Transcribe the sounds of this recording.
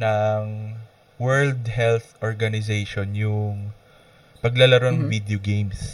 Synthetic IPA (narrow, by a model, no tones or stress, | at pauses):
nɐŋ | wɛɹld̪hɛlθʔoɹɡɐnɪzejʃonjʊŋ | pɐɡlɐlɐɾonvid̪eoɡejms